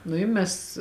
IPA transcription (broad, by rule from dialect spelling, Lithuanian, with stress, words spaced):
nʊ ɪ ˈmʲɛs